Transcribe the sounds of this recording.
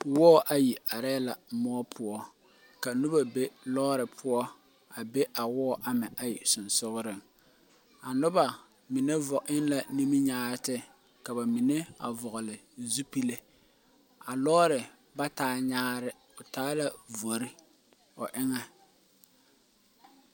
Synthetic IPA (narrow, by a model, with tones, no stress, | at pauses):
wɔː˦˨ʔa˦ji˨ʔa˨ɾɛ˦la˨mɔ˦pʰʊ˨ɔ˦ | ka˨nu˦ba˨be˦lɔː˦ɾɪ˨pʰʊ˦ɔ˦ | a˨be˦ʔa˨wɔː˦ʔa˦mɪ˨ʔa˨ji˨sʊ˨nsʊ˦ɣʊ˦ɾɪ˨ŋ | a˨nʊ˦ba˨ | mi˨ne˦vʊ˨ʔɪ˦nla˨ni˦mi˦ɲaː˦ɾɪ˦tɪ˦ | ka˨ba˨mi˨ne˦a̰˨vʊ˨ɣʊ˨lɪ˨ | zu˦pi˦le˦ | a˨lɔː˦ɾɪ˨ | ba˦taː˦ɲaː˦ɾɪ˦ | ʊ˨taː˦la˦vo˨ɾɪ˦ | ʊ˨ʔɪ˦ŋɛ˦